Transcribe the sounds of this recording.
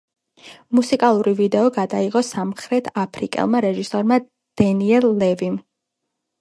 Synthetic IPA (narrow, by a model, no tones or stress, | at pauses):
musikʼalˠuɾivid̪ɛɔɡad̪aiqɔsamχɾɛt̪ʰapʰɾikʼɛ̰lˠmaɾɛʒisɔɾma | d̪̥ɛniɛlˠːɛvim